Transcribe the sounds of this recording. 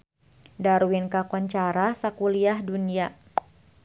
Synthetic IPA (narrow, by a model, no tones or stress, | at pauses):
daɾuwinkakɔɲt͡ʃaɾasakuliahdunia